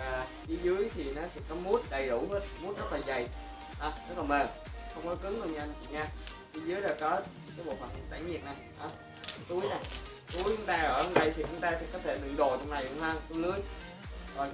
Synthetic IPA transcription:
aː˨˩ | ʔi˨˦zɨ˨˦əjt̪ʰi˨˩nɔ˨˦sɛ̰˧˥kɔ˨˦mu˦˥ət̚ɗə˨˩jɗo̰˧˩˦ɦə˦˥t̚mu˦˥t̚zə˦˥t̚laː˨˩za˨˩j | haː˨˧˩zə˦˥t̚laː˨˩məː˨˩xə˧wŋ͡mkɔ˨˦kɨ˨˦ŋzo˨˩ɲaː˧n˨˩i˨˩ɲaː˧ʔi˨˦zɨ˨˦jlaː˨˩kɔ˨˦ | kaː˨˦jɓo̰˧˨˩maː˨˩kt̪a˧˩˦ŋvi˨˩əna˨˩jʔaː˨˧˩ | t̪u˨˦əjna˨˩j | t̪u˨˦əjt͡ɕʊ˨˦ŋ͡mt̪aː˧ʔəː˧˩ɔ˨˧ŋ͡mɗə˧jt̪ʰi˨˩t͡ɕʊ˨˧˦ŋ͡mt̪aː˧sɛ̰˧˥˩kɔ˨˦t̪ʰe˧˩ɗɨ̰˧˨ŋɗo˨˩t͡ɕɔ˧wŋ͡mna˨˩jlʊ˧˦ŋhəː˧˩ŋkɔ˧˦lɨ˨˦əj | kɔ˨˩n

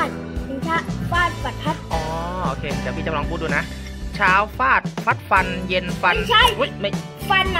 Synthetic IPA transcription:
a˥˩t̪̚ | ki˧ŋtʰaː˥˩faː˥˩t̪̚sa˨˩t̪̚pʰa˦˥˩t̪̚ʔɔː˩˦ʔoː˧kʰeː˧t̪ɛː˨˩miː˥˩t͡ɕa˨˩˧lɔː˧ŋpʰuː˥˩duː˧˩na˦˥ʔ | t͡ɕʰaː˦˥wfaː˥˩t̪̚fʰa˦˥˩t̪̚fa˧nje˧nfa˧nt͡ɕʰa˥˩u˦˥ma˥˩ | fa˧n

